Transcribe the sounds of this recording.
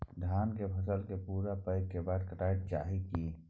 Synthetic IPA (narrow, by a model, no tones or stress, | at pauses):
d̪ʱaːnkepʰəsəlkepuːɾapəɪkkːebaːd̪kəʈaːt̪̚t͡ʃa̰ːɦiki